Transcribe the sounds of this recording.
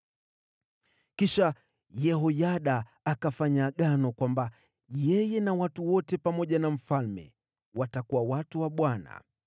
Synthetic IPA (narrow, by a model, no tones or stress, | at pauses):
kiʃa | jɛɦɔjaɗaː | kafaɲaːɠanɔkwamba | jɛjɛnawatuwɔtɛpamɔʄanam̩falmɛ̰ | watakuwawatuwaɓwana̰